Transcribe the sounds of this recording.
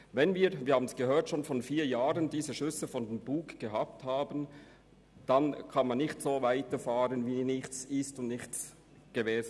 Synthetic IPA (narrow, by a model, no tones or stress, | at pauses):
vɛnviːɐviːɐhaːbənsɡ̥əɦøːɐtʃoːnfɔnfiːɐjaːʁəndiːzəʃʏsəfɔndembuːkɡ̥eɦɑp̚thaːbən | d̥ankʰɑnmanːɪçtsoːvaɪtəfaːʁənviːnɪçt͡sɪstʊndnɪxtt͡s | ɡ̥eveːz